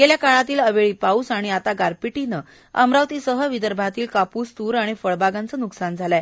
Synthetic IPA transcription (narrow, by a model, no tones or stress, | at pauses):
ɡeljakaɭat̪iːləʋeɭipausaɽ̃iat̪aɡaɾpiʈinə | ə̰mɾaʋt̪iːsəɦəʋid̪əɾbʱat̪iːlkapuːst̪uːɾaɽ̃ifəɭbʱaɡant͡sənuksand͡zʱala